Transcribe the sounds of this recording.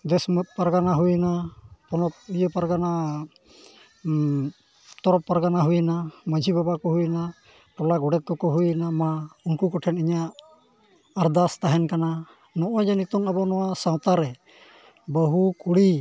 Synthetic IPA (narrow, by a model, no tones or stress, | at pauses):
d̪ɛsmt̪̚paɾɡanaɦujnapɔnɔp̚ijəpaɾɡana | t̪ɔɾɔpːaɾɡanaɦujnaməd͡ʒʱibabakɔɦujna | ʈɔlaɡɔɽɛt̪̚kɔkɔɦujnamaunkukɔʈʰɛniɲaʔː | ɾd̪ast̪aɦɛnkana | nɔʔɔd͡ʒanik̚t̪ɔŋabɔnɔwasãw̃t̪aɾɛ | bəɦukuɽi